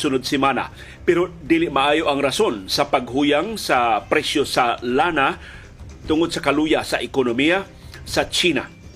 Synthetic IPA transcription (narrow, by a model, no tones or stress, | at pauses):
sʊnʊd̪̚sɪmana̰ | pɛɾod̪iːlɪʔmaʔaːjoʔɐŋɾasonsapaɡ̚ɦuːjaŋsapɾɛsjosalana | t̪ʊŋod̪̚sɐkalujasaʔɪkonomija | sat͡ʃiːna